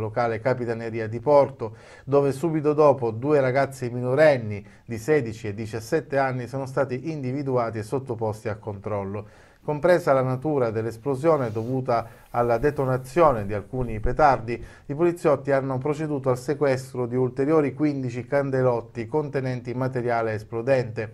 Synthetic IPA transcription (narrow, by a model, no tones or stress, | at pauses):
lokaːlekapit̪aneɾiːad̪ipɔrt̪o | d̪oːvesuːbit̪od̪ɔːpod̪uːeɾaɡat̪sːiminoɾɛnːi | d̪isɛːd̪it͡ʃied̪ːit͡ʃasːɛt̪ːeanːisoːnost̪aːt̪iʔind̪ivid̪uaːt̪iesːot̪ːopɔst̪iakːont̪ɾɔlːo | kompɾeːzalanat̪uːɾad̪elːesplozjoːned̪ovuːt̪aː | lːad̪et̪onat̪sːjoːned̪ialkuːnipet̪ard̪i | ipolit̪sːjɔt̪ːianːop̬ɾot͡ʃed̪uːt̪oalsekwɛst̪ɾod̪iult̪eɾjoːɾikwind̪it͡ʃikand̪elɔt̪ːikont̪enɛnt̪imat̪eɾjaːleːsplud̪ɛnt̪e